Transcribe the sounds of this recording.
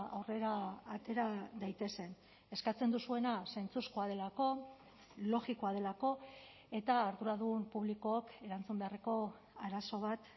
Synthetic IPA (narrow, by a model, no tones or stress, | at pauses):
a̰wre̞ɾaːt̪e̞ɾad̪ajt̪e̞se̞n | e̞skat͡se̞nd̪usue̞nasent͡suskoað̞e̞lako̞ | lo̞ɣikoað̞e̞lako̞ | e̞t̪aːɾðuɾaðuɣumpuβlikooke̞ɾant͡sumbe̞areko̞ | aɾaso̞β̞at̪